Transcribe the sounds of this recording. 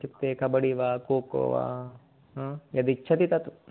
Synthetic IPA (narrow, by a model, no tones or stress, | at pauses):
t͡ʃipt̪ːeːkʰɐbɐɽiʋaːkoːko̰ːʋã̰ː | jɐd̪it͡ʃʰɐt̪it̪ɐt̪u